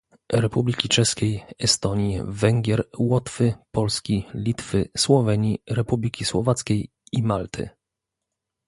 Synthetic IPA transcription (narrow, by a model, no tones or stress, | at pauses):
ɾɛpublʲikʲit͡ʂɛskʲejɛst̪ɔɲivɛŋɡʲɛɾwɔt̪fɘpɔlskʲilʲit̪fɘswɔvɛɲiɾɛpublʲikʲiswɔ̰vat̪skʲej | imalt̪ʰɘ̰